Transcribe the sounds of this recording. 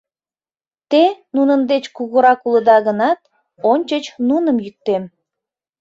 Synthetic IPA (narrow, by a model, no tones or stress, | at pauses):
t̪enunənd̪et͡ɕkuɣuɾɑkuləd̪ɑɣənɑt̪̚ | onʲt͡ɕət͡ɕnunəmjyk̚t̪em